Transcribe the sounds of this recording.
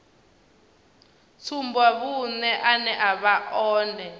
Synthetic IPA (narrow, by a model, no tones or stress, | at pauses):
t͡sʰumbwaβunɛʔanɛʔaβaʔɔːndʱɛ